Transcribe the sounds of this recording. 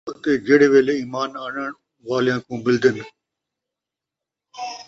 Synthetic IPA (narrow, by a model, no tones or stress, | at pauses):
t̪eːd͡ʒeːɽeːʋeːleːiːmaːnaːɳəɳ | ʋaːlɪjãːkũːbɪld̪ən